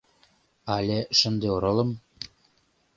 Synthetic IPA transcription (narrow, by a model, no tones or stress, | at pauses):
ɑlʲeʃɤ̆nd̪eoɾɤ̆lɤ̆m